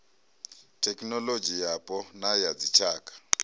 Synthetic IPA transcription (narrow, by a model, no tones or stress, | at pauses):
tʰɛkʼnɔlod͡ʒijapʼɔnajad͡zit͡ʃʰaːkʼḁ